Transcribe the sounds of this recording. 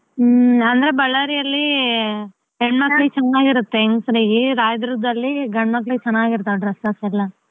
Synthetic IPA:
ɐnd̪ɐɾebɐɭɐɾijɐlːi | ɦeɳɖmɐkːɐɭiɡt͡ʃɐnːaːɡiɾut̪ːeːŋɡsɾiːɡiɾaːjɐd̪ɾud̪ɐlːiɡɐɳmɐkːɭiɡt͡ʃɐnːaːɡiɾt̪ːɐɖɾɐsɐsɛlːɐ

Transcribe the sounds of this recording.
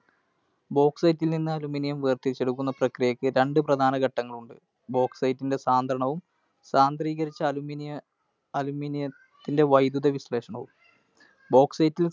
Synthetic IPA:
bo̞ːksɐjtːilninːɨɐluminijɐmʋeːrt̪iɾit͡ɕːeɽukːunːɐprɐkrijɐkːɨɾe̞ɳɖɨprɐd̪ʱaːnɐɣɐʈːɐŋːɐɭuɳɖɨ | bo̞ːkssɐjtːinde̞saːnd̪ʱɾɐɳɐʋum | saːnd̪riːɣɐɾit͡ɕːɐluminj | ɐluminijɐ | t̪ːinde̞ʋɐjd̪uðɐʋisle̞ːʂɐɳɐʋum | bo̞ːksɐjtːil

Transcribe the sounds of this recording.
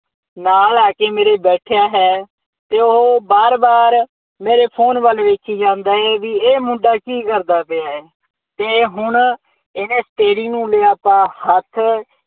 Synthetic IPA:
naːlaːkeːmeːɾeːbɛːʈʰejaːɦɛː | t̪eːʊɦoːbaːɾbaːɾ | meːɾeːpʰoːnʋəlʋeːkʰiːd͡ʒãːnd̪aːɦɛːʋiːeːmʊ̃ɳɖaːkiːkəɾd̪aːpeaːɛː | t̪eːɦʊɳ | ɪneːsʈ̪eːɾiːnũːleːaːpãːhət̪ʰ

